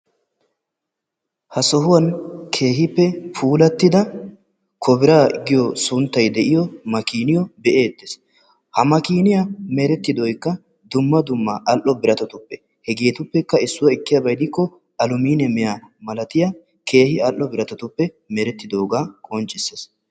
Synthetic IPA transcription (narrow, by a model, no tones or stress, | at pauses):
hɐsɔɦʊwɐnkʰe̞ːhɪpːɛfuːlɐt̪ːɪd̪ɐ | kʰɔbɪɾaːɡɪjɔsʊnt̪ːɐjd̪ɛʔɪjɔmɐkiːnɪjɔbɛʔe̞ːt̪ːes | hɐmɐkiːnɪjameɾɛt̪ːɪd̪ɔjkːɐ | d̪ʊmːɐd̪ʊmːɐʔɐlʔːɔbɪɾɐt̪ɔt̪ʊpːɛ | hɛɡe̞ːt̪ʊpːɛkːɐɪsːʊwɐɪkːɪjɐbɐjd̪ɪkːɔ | ɐlʊmiːnɛmɛjamɐlɐt̪ɪja | kʰe̞ːhɪɐlʔːɔbɪɾɐt̪ɔt̪ʊpːɛ | meɾɛt̪ːɪd̪o̞ːɡaːkʼɔnt͡ʃʼːɪsːes